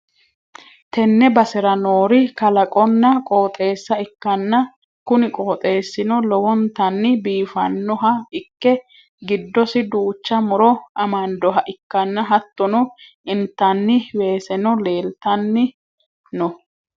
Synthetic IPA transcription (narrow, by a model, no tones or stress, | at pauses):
t̪ɛnːɛbɐsɛɾɐnoːɾɪkɐlɐkʼɔnːɐkʼoːt̪ʼe̞ːsːɐɪkːɐnːɐ | kʊnɪkʼo̞ːt̪ʼe̞ːsːɪnɔlɔwɔnt̪ɐnːɪbiːfɐnːɔɦɐɪkːɛ | ɡɪd̪ːɔsɪd̪uːt͡ʃːɐmʊɾɔʔɐmɐnd̪ɔɦɐʔɪkːɐnːɐɦɐt̪ːɔnɔʔɪnt̪ːɐnːɪwe̞ːsɛnɔle̞ːlt̪ɐnːɪ | nɔ